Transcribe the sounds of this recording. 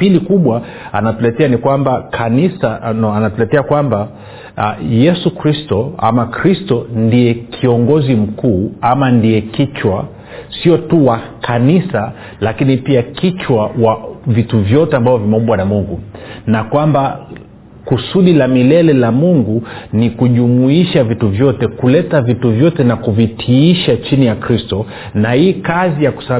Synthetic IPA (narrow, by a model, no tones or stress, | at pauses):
pilikuɓwa | anatulɛtɛanikwambakʰanisaanatulɛtɛakwamba | jɛsukɾistɔa̰makɾistɔndijɛkʰiɔŋɡɔzim̩kuːamandiɛkit͡ʃwa | siɔtuwakʰanisa | lakinipiakit͡ʃwawavituvjɔtɛambavɔvimɛɔmbwanamuŋɡunakwamba | kusuɗilamilɛlɛlamuŋɡunikuʄumuiʃavituvjɔtɛkulɛtavituvjɔtɛnakuvitʰiiʃat͡ʃinijakɾistɔ | nahiːkazijaku̥sa